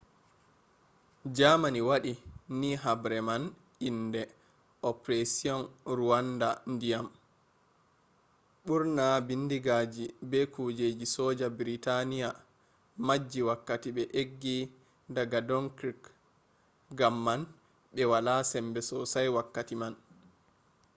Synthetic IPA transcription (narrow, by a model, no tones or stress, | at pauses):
d͡ʒamaniwaɗinːiɦabɾɛman | indɛ | ʔɔpɾɛsiɔnɾuwandandijam | ɓuɾnabindiɡad͡ʒibɛkud͡ʒed͡ʒisɔːd͡ʒabiɾitanija | mad͡ʒːiwakːatiɓɛʔeɡːi | daɡadɔnkɾik | ɡamːan | ɓɛwalasɛmbɛsɔsajwakːatiman